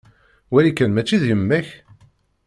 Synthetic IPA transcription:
wælikːænmæt͡ʃːiðjəmːæç

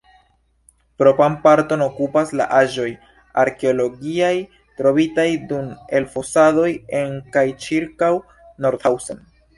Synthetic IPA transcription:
pɾo̞pampaɾto̞no̞kupasla̰ʔaʒo̞j | aɾke̞olo̞ɡiaj | tɾo̞vitajdume̞lfo̞sado̞je̞ŋkajt͡ʃiɾkaw | no̞ɾd̪hawson

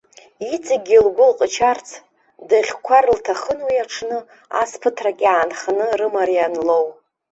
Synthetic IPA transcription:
it͡sʼaɡʲilɡʷʊlqʼət͡ʃʰart͡sʰ | daχʲkʷʰarltʰaχənwiaʈ͡ʂʰnɨ | a̰spʰɨtʰrakʲʼaːnχanɨrɨmaɾijanlo̞w

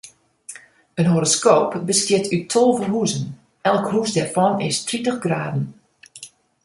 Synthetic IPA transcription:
ənɦoɾoskoːpbəstjɪtʰytʰolˠvərɦuzən | ɛlˠkhusdɛrfɔnɪstritəxɡraːdn̩

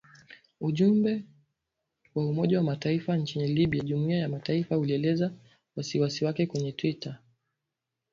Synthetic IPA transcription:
uʄumbɛ | waumɔʄawamataifant͡ʃiniliɓiaʄumuiajamataifauliɛlɛza | wasiwasiwakɛkwɛɲɛtwita

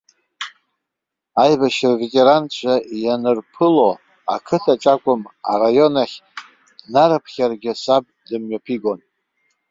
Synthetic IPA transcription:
ajbaʃrvetʼe̞ɾant͡ɕʷʰajanɨrpʰɨlo̞ | akʰɨtʰaʈ͡ʂʷʼakʷʼʊma̰rajo̞naχʲ | naɾapʰχʲarɡʲɪsab̚dɨmɥapʰiɡo̞n

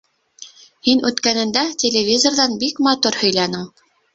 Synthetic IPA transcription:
hinʉt̪kænɘ̆nd̪ætʲelʲevʲizorðɑnbikmɑt̪uɾhɵ̆jlænɘŋ

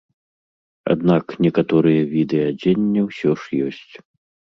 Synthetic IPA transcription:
a̰d̪naknʲɛkat̪ɔɾɨjɐvʲid̪ɛjɐd͡zʲenʲːɛwsʲɔʂjɔsʲt͡sʲ

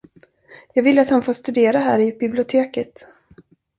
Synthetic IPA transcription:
jɑːɡvɪlːəat̪hanfoːʂt̪ɵd̪eːɾaɦæːɾɪbɪblɪʊt̪ʰeːkət̪

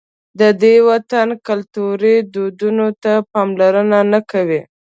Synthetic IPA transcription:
d̪əd̪ewat̪ankalt̪uɾid̪od̪unot̪apɑmlaɾənanakawi

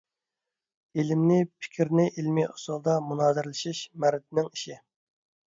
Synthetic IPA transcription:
ilɪmnɪpʰɪ̥kʲʰiɾnɪʔilmiʊsulˠd̪ɑmunɑːzɪɾlɪʃiʃmæɾɪt̪̚ʰɪnɪŋiʃi

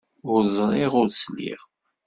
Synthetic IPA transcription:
ʊzˤɾˤeʁʊɾslḭʁ

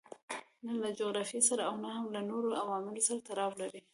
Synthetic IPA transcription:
nalad͡ʒoɣɾɑfisaɾaːwnahamlanoɾoawɑmɪlosaɾat̪aɾɑwlaɾi

